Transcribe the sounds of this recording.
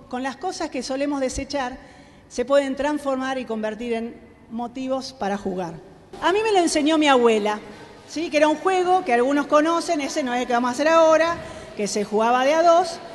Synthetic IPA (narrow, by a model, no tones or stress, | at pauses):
ko̞nlasko̞saskeso̞le̞mozðeset͡ʃaɾ | se̞pweð̞e̞nt̪ɾaɱsfo̞ɾmaɾiko̞mbe̞ɾt̪̬iɾe̞n | mo̞t̪iβo̞spaɾaxuɣaɾ | amĩme̞loense̞ɲjomiaβwela | sikeeɾauŋxweɣo̞kealɣuno̞sko̞no̞senesenoeɦlokeβamosase̞ɾaoɾa | kesexuɣaβaðeaðos